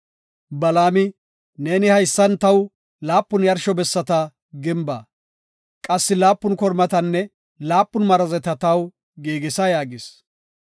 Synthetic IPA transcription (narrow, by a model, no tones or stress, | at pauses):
bɐlaːmɪ | neːnɪhɐjsːɐnt̪ɐw | laːpːʊnjɐɾʃɔbɛsːɐt̪ɐ | ɡɪmbɐ̰ː | kʼɐsːɪlaːpːʊnkɔɾmɐt̪ɐnːɛ | laːpːʊnmɐɾɐzɛt̪ɐt̪ɐw | ɡeːɡɪsɐjaːɡɪs